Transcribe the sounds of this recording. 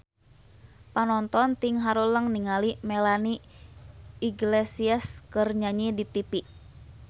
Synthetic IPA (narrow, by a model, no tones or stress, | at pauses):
panɔnt̪ɔnt̪iŋɦaɾuləŋniŋalimɛlani | iɡlesiaskərɲaɲidit̪ipiʔ